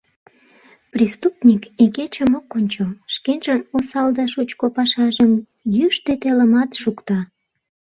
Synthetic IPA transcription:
prist̪upnʲikiket͡ɕəmokːonʲt͡ɕoʃkenʒənosɑld̪ɑʃut͡ɕkopɑʃɑʒəm | jyʃt̪et̪eləmɑt̪ʃukt̪ɑ

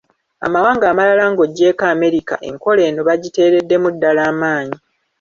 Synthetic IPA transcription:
a̰mawaːŋɡaːmalalaːŋɡo̞ɟe̞ːkaːme̞ɾika̰ʔe̞̰ŋko̞le̞ːnoβaɟite̞ːɾe̞dːe̞mudːalaːmaːɲi

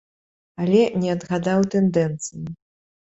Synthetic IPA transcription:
alʲɛnʲɛɐd̪ɣad̪awt̪ɛnd̪ɛnt̪sɨji

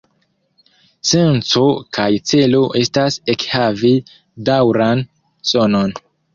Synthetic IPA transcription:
se̞nt͡so̞kajt͡se̞lo̞ʔe̞stase̞khavi | dawɾan | sono̞n

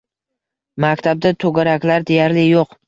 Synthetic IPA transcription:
makʲt̪ʰab̚d̪at̪ʰɵɡʲaɾakʲlaɾd̪e̞jaɾlɪjoq

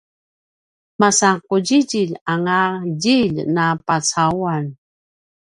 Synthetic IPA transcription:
masakuɟiɟiʎaŋaɟiʎnapat͡sawan

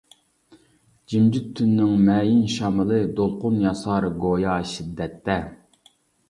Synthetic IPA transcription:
d͡ʒimd͡ʒyt̪ʰːynːɪŋmɛːjinʃɑmɨlˠɨd̪olˠqʊnjɑsɑːɾɡojɑʃid̪ːɛt̪ʰːɛ

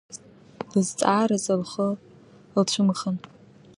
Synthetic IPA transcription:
lɨzt͡sʼaːɾazalχə | lt͡ɕʷʰɨmχən

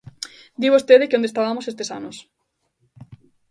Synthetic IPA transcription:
d̪iβost̪eðekeond̪est̪aβamosest̪esa̰nos

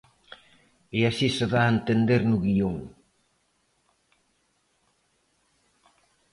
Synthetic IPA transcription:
easiseðaent̪end̪eɾnuɣioŋ

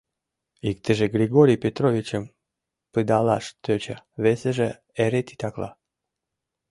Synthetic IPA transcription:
ik̚t̪əʒeɡɾʲiɡoɾʲijpʲet̪ɾovʲit͡ɕəm | pɨd̪ɑlɑʃt̪øt͡ɕaβeseʒe | eɾet̪i̥t̪ɑklˠɑ̰

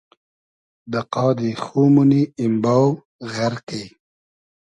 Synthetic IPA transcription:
d̪əqɑːd̪ixumuniːmbaw | ɣaɾkej

